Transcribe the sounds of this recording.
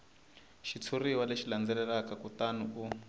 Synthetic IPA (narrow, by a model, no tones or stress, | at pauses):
ʃit͡sʰuriwaleʃiland͡zɛlɛlakakut̪anuu